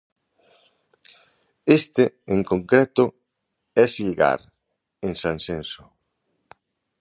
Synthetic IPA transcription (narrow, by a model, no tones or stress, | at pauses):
est̪eeŋkoŋkɾɛt̪ʊ | ɛsilɣa̰ɾ | ẽnsansenso